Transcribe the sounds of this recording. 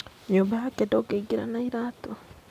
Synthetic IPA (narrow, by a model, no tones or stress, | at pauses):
ɲoːmbahakedoɡeiɡiɾa̰naiɾato